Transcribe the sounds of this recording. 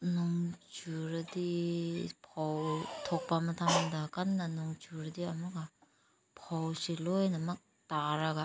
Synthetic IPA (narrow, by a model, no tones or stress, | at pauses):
nɔŋt͡ʃuɾdi | pʰɔwt̪ʰɔk̚pamat̪ʰamad̪akanːanɔŋt͡ʃuɾd̪iamuɡa | pʰɔwsilojnamak̚ | t̪aɾaɡa